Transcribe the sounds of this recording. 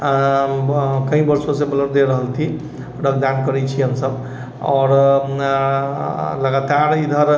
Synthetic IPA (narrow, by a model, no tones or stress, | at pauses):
kə̃ĩbəɾsõsebələɾd̪eɾəɦəlt̪ʰi | ɖək̚d̪ankəɾɛt͡ʃʰiɦəmsəb | ɔ̰ɾ | ləɡat̪aɾid̪ʱəɾ